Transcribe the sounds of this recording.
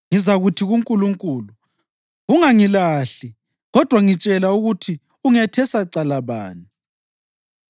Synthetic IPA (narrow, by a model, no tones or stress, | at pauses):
ŋizaɣutʰiɣuŋkʼuluŋkʼuːlu | ɣuŋaŋilaɬi | ɣɔd̥ʱwaŋit͡ʃʼɛlauɣutʰi | uŋɛtʰɛsaǀalaβa̰ːni